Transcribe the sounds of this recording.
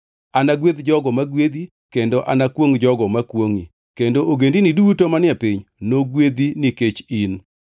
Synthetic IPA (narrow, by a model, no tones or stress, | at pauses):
anaɡwed̪d͡ʒɔɡɔmaɡwed̪i | kendoʔanakwoŋd͡ʒɔɡɔmakwoŋi | kendoʔoɡendinidutomanɪɛpɪɲnoɡwed̪iniket͡ʃin